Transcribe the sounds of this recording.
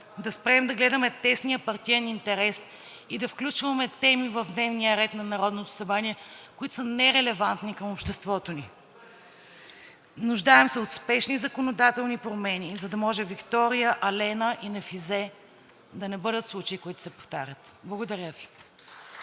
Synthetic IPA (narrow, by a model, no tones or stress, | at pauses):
d̪ɐspɾɛmd̪ɐɡlɛd̪ɐmɛt̪ɛsniəpɐɾt̪iɛnint̪ɛɾɛs | id̪ɐfklʲut͡ʃvɐmɛt̪ɛmivɐvd̪nɛvnijəɾɛt̪nɐnɐɾɔd̪not̪o̥sɐbɾaniɛkoit̪ʊ̥sənɛɾɛlɛvant̪nikəmopʃt̪ɛst̪vɔt̪oni | nuʒd̪aɛmsɛot̪spɛʃnizɐkonod̪at̪ɛlˠnipɾomɛnizɐd̪ɐmɔʒɛvikt̪ɔɾijəʔɐlɛnəʔinɐfizɛ | d̪ɐnɛbɤd̪ət̪slˠut͡ʃɐikoit̪ʊ̥sɛpo̥ft̪aɾʲət̪blˠɐɡod̪ɐɾʲjəvi